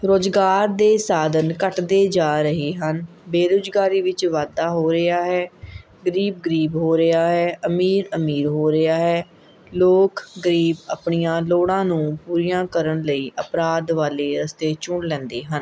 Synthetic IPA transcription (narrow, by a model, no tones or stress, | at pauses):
ɾoːd͡ʒɡaːɾd̪eːsaːd̪ənkəʈd̪eːd͡ʒaːɾəɦeːɦən | beːɾoːd͡ʒɡaːɾiːʋɪt͡ʃʋaːd̪aːɦoːɾəaːɦɛː | ɡəɾiːb̚ɡəɾiːbɦoːɾɪaːɦɛːʔəmiːɾəmiːɾɦoːɾɪaːɦɛː | loːkɡəɾiːba̰pɳijãːloːɽãːnũːpuːɾijãːkəɾəɳləiːʔəpɾaːd̪ʋaːleːɾəst̪eːt͡ʃʊɳlɛ̃ːnd̪eːɦən